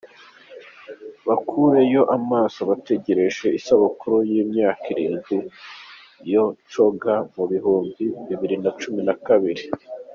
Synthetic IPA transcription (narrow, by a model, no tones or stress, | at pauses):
βakʰuːɾe̞jo̞ʔamaːsoβate̞ɟe̞ɾe̞ʒe̞isaβokuɾojiːmɲaːkiɾiːnzi | jo̞t͡ʃo̞ɡamuβiɦuːmbiβiβiɾinat͡ʃuminakaβiɾi